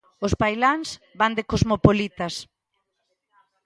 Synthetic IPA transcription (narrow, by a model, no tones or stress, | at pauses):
ʊspajlaŋs | band̪ekozmopolit̪as